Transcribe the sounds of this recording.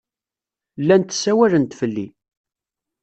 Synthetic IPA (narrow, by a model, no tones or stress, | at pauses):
lːænt̪sːæwælənt̪fəlːi